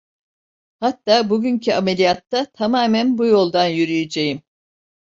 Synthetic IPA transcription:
hat̪ːaːbuɟyncʰiamelʲijat̪ʰːat̪ʰamaːmænbujo̞lˠd̪anjyɾyjed͡ʒejim

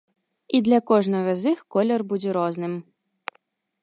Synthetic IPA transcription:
id̪lʲɐkɔʐnɐɣɐzɨxkɔlʲɛrbud͡zʲɛɾɔznɨm

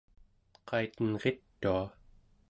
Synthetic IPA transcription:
qʰɑit̪ənʁe̞t̪ːua

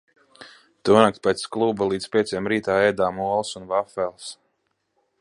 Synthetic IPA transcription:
t̪uɔnak̚t̪̚pʲɛt̪sklˠubalˠiːd̪spʲiɛsʲijɛmɾiːt̪aːɛjd̪aːmuɔlˠsunvafɛlˠs

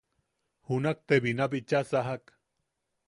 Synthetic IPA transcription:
hunak̚t̪eβinabit͡ʃasaɦak

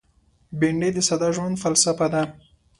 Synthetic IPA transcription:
beɳɖed̪əsad̪ɑʒwand̪falsafad̪a

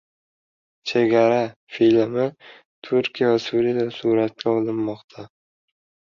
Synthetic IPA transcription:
t͡ʃʰeɡʲaɾafilmɪ | t̪ʰʊɾkʲijavasuɾijad̪asuɾat̪̚kʲʰaɒlˠɪnmɒqt̪ʰa

